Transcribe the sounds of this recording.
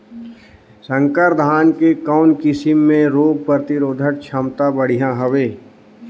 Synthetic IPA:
sə̃ŋkəɾd̪ʱaːnkekɔːnkɪsɪmːẽɾoːɡ̚pɾət̪ɪɾoːd̪ʱəʈt͡ʃʰəmt̪abəɽ̤ijãɦəʋeː

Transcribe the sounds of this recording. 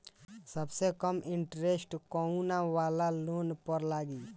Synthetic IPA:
səbsekəmɪɳʈɾesʈkɔunaʋaːlaloːnpəɾlaːɡi

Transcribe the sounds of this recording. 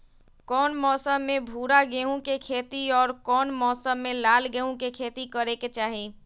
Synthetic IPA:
kɔːnmɔːsəmːẽbʱuːɾaɡeɦũkekʰeːt̪iɔːɾkɔːnmɔːsəmːẽlaːlɡeũkekʰeːt̪ikəɾeket͡ʃaːɦeː

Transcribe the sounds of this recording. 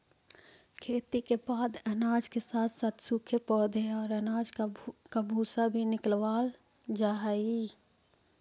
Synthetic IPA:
kʰeːt̪ikebaːd̪ɛnaːd͡ʒkesaːt̪ʰsaːt̪ʰsukʰepɔːd̪ʱeɔːɾɛnaːd͡ʒkabʱuːsabʱinɪklwaːl | d͡ʒaːɦaiː

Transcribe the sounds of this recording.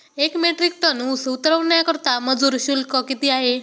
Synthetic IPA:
ekmeʈɾik̚ʈənusut̪ɾəʋnjakəɾt̪aməd͡zuːɾɕulkɔkit̪iːaɦe

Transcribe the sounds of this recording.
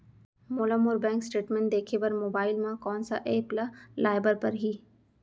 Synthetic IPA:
moːlamʊɾbɛ̃ːŋksʈeːʈmɛ̃ɳʈ̚d̪eːkʰepɐɾmoːbaːɪlmãkɔːnsaʔeːplalaːɪbəɾpɐɾɦiː

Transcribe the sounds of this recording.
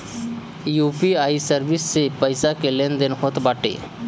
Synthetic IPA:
juːpiaːisəɾbɪsːepəjsakelend̪enɦot̪baːʈḛ

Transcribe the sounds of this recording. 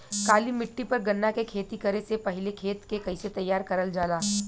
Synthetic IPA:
kaːlimɪʈːipɐɾɡɐnːakekʰeːt̪ikɐɾesepɐɦɪlekʰeːt̪kekɐiset̪ɐjːaːɾkɐɾəld͡ʒaːlaː

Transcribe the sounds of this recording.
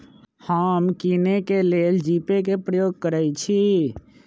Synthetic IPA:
həmkinekeleld͡ʒipekepɾəjoɡ̚kəɾɛjt͡ʃʰi

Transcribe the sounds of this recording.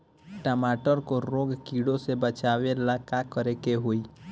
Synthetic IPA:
ʈəmaːʈəɾkoɾoːɡkiːɽosebət͡ʃaːʋelakakəɾekeɦoiː

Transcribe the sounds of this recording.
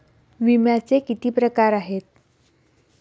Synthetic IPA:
ʋimjat͡sekit̪iːpɾəkaɾaɦet̪̚

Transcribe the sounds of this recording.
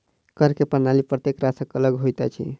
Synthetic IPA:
kəɾkepənalipɾət̪ekɾasəkələɡɦojt̪a̰t͡ʃʰḭ

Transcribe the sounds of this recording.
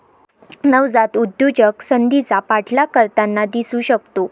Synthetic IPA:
nəʋd͡zat̪ud̪ːjud͡ʑəksənd̪it͡sapaʈʰlakəɾt̪anːad̪isuːɕəkt̪o

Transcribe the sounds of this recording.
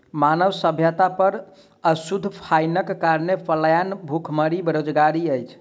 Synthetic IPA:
manəʋsəbʱjət̪apəɾ | əsud̪ʱːpʰajnəkːaɾnepʰəljanbʱukʰməɾibeɾod͡ʒɡaɾiəjt͡ʃʰ

